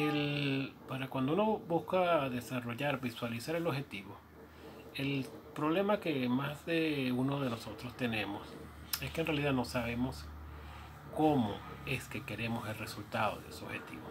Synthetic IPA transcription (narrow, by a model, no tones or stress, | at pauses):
elpaɾakwand̪ouno̞buskaðe̞saro̞ʝaɾbiswalisaɾe̞lo̞βxe̞t̪iβo̞ | e̞lpɾo̞βle̞make̞mazðeunoðe̞no̞so̞t̪ɾo̞st̪e̞ne̞mo̰s | e̞skenrealiðano̞saβe̞mo̞s | ko̞mo̞̰e̞ske̞ke̞ɾe̞mo̞se̞lre̞sult̪aðo̞̰ðḛseoβhe̞̰t̪ḭβo̰